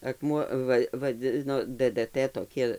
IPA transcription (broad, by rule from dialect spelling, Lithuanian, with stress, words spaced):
ɐkˈmuɔ ˈʋɐ ʋɐˈd͡zʲɪnoː dɘdɘˈtɘ toːˈkʲɪ